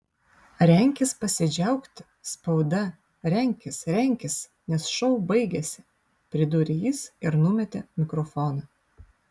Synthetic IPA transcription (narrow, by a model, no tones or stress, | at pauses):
ɾʲɛˑŋʲkʲɪspɐsʲɪd͡ʒʲɛˑʊkt̪ʲ | spɒʊd̪ɐ | ɾʲɛŋʲkʲɪsɾʲɛŋʲkʲɪs | nʲɛsʃɔʊbɐɪɡʲɛsʲɪ̥ | pʲɾʲɪd̪ʊɾʲɪjiːsɪɾnʊmʲɛt̪ʲemʲɪkɾɔfɔːnɐ